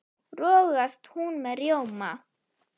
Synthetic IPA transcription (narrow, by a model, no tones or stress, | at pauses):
rɔːɣast̪hunmɛðrjowma